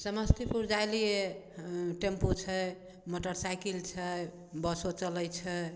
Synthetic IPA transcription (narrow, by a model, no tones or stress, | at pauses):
səməst̪ʰipuɾd͡ʒajlije | ʈempot͡ʃʰə | moʈəɾsajkilt͡ʃʰə | bəsot͡ʃələjt͡ʃʰə